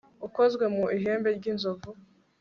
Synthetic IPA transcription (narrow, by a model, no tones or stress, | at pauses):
uko̞zɡwe̞muiɦe̞ːmbe̞ɾɟinzovu